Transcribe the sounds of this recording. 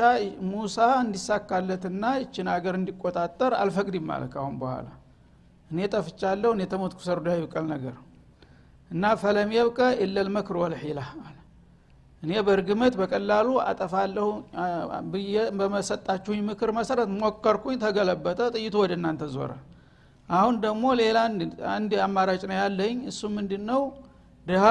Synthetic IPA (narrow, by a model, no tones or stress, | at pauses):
amusaɨnd̪isːakːalːət̪ɨnːajɪt͡ʃːɪnaɡəɾɨnd̪ikʼːot̪ʼat̪ʼːəɾa̰lfəkʼd̪imːa̰lə̰t̪kʰahunbəhʷa̰la̰ | ʔɨnet̪ʼəfɨt͡ʃʼːalːəwɨnjɛt̪ʰəmot̪kʰu̥səɾd̪jajɪβkʼəlnəɡəɾ | ʔɨnːafələmjɛβkʼəʔɛlːəlmɨkʰɨɾwɔlħelaal | ʔɨne̞bəɾɡɨmət̪bəkʼəlːalua̰t̪ʼəfalːəh | bɨjɛbəməsət̪ʼːat͡ʃːɛhuɲmɨkʰɨɾməsəɾət̪mokːəɾkʰuɲt̪ʰəɡələbːət̪ʼət̪ʼɨjːɪt̪ʰuwɔd̪əɨnːant̪ʰəzo̰ɾə̰ | ʔahund̪əɡmo̞le̞laa̰nd̪amːaɾat͡ʃʼnəwjalːəɲːɨsːumɨnd̪ɨnːəw | d̪ɨha